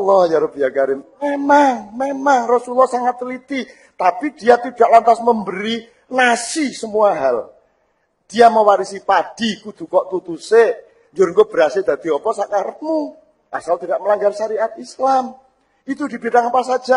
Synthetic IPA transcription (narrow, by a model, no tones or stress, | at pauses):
lɔhjaɾobijakaɾɪmmemaŋmemaŋrɔsulɔhsaŋat̪ːlit̪i | t̪apid̥ijat̪id̥aʔlant̪asməmbəɾi | nasisəmuaɦal | d̥ijamawaɾisipad̥ikud̪̥ṳkɔʔt̪ut̪use | ɲd͡ʒʊɾŋkob̥əɾased̪̥a̤d̪̥iɔpɔsakaɾəp̪̚mu | ʔa̰salt̪idaʔməlaŋɡarʃaɾiʔat̪̚islam | it̪udi̤b̥it̪aŋapasad̥d͡ʒ̥a